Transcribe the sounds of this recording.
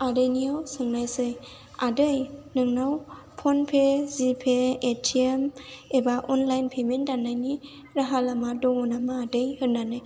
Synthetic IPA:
aɾejniawsɯŋnajsɯj | adɯjnɯŋnaw | pʰɔnpʰezipʰeetʰiemebaʔɔnlajnpʰementːanːajni | ɾaɦalamadɔŋɔnamaːdɯjhɯnnːanɯj

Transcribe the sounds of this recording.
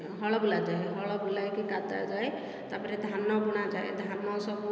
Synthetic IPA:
ɦɔɭɔbulad͡ʒaeɦɔɭɔbulajkikat̪a̰d͡ʒae | t̪apɔɾɛd̪ʱanɔbuɽ̃ad͡ʒaḛd̪ʱanɔsɔbu

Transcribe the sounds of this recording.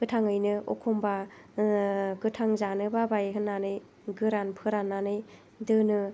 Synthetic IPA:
ɡ̥ɯtʰaŋɯjnɯʔɔkʰɔmba | ɡɯtʰaŋzanɯbabajɦɯnːanɯj | ɡɯɾanpʰɯɾanːanɯj | dɯnɯ

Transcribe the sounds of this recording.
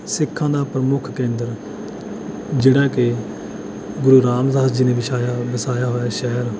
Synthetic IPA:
sɪkʰːãːd̪aːpɾəmʊkʰkẽːnd̪əɾ | d͡ʒeːɽaːkɪ | ɡʊɾuːɾaːmsaɦaːd͡ʒiːneːbɪʃaːjaːbəsaːjaːɦoːɛːʃɛɦəɾ

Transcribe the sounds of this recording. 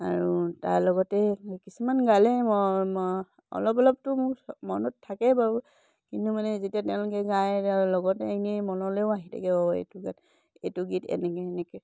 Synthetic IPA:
a̰ɹuta̰ɹlɔɡɔtɛkisumanɡalɛmɔ | ɔ̰lɔp̬ɔlɔp̚tʊmʊkmɔnɔtʰːakɛbaɹu | kintumanɛzetijatɛʊ̃lʊkɛɡajtalɔɡɔtɛnimɔnɔleʊaɦitʰa̰kɛɔḛtuɡat | etuɡitɛ̰nɛkɛnɛkɛ

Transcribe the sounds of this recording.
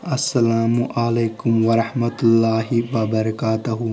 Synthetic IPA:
ɐsːɐlaːmuʔaleːkʊmʋɐɾɐħmɐt̪lːaːɦiʋɐbɐɾɐkaːt̪ɐɦu

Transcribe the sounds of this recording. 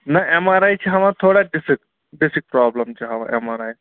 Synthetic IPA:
nɐʔɛmaɾaːjt͡ʃʰiɦɐʋãt̪ʰoːɽaɖɪsik | ɖɪsɪk̚pɾaːbləmt͡ʃʰeɦɐʋã̰ʔɛmaːɾaːj

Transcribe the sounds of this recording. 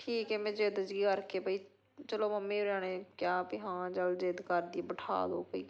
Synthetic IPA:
ʈʰiːkɛːmɛ̃ːd͡ʒeːd̪əd͡ʒɡikəɾkeːbəiː | t͡ʃəloːməmːẽːɾãːɽ̃ẽːkjaːpiɦãːd͡ʒəld͡ʒeːd̪kəɾd̪ieːbəʈʰa̰ːlo̰ːpəiː

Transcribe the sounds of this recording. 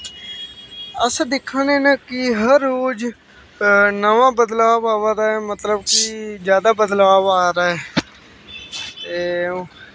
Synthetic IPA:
əsd̪ɪkʰːaneːnəkɪɦəɾːoːd͡ʒ | nəʋãːbəd̪laːʋaːʋaɾaːeːmət̪ləbkɪd͡ʒjaːd̪aːbəd̪laːʋaːɾaːeː | e

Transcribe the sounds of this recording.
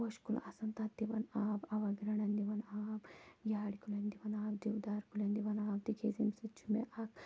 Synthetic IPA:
ʋɐʃkul̰ɐsɐnt̪at̪ːiʋɐnaːbɐʋɐɡɾɐɳɐnd̪iʋɐnaːbjaːɽikulɐnd̪iʋɐnaːbd͡ʒ̪iwd̪aːɾkulɐnd̪iʋɐnaːb̚t̪ikʰeːzimsit͡ʃʰumḛʔɐk

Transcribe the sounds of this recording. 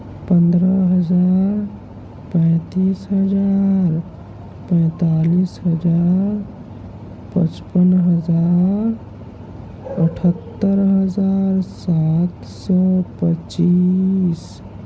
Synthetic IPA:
pə̃nd̪ɾəɦəd͡ʒaɾ | pə̃ɪt̪iːsɦəd͡ʒaɾ | pɛ̃ɪt̪aliːsɦəd͡ʒaɾ | pə̰t͡ʃpənɦəd͡ʒaɾ | əʈʰət̪ːəɾɦəd͡ʒaːɾsat̪ | sɔpət͡ʃis

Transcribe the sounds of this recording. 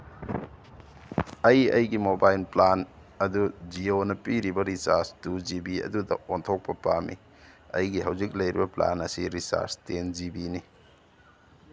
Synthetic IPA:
ɐjɐ̰jɡimobajlplan | ɐdud͡ʒionɐpiɾibɐɾisaɾstud͡ʒibiɐ̰dudɐ̰ontʰok̚pɐpamḭ | ɐ̰jɡiɦɐwzik̚lɐjɾibɐpla̰nɐsiɾisa̰ɾstend͡ʒibini

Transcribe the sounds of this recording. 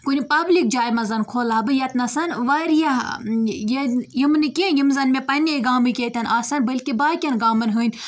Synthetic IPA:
kunʲipɐblik̚d͡ʒaːjmɐzɐnkʰoːlaːbɨjɐt̪nɐsɐnʋɐːɾija | jejimnɨkijimzɐnmẽpɐnʲeɡaːmɨkʲeːt̪ʲɐnaːsɐnbɐlʲkibaːkʲɐnɡaːmɐnɦɨːnʲ

